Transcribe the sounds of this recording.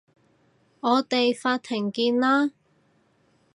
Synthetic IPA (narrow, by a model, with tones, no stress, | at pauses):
ŋɔː˨˧t̪e˨jfaː˧t̪ʰɪ˨˩ŋkiː˧nlaː˥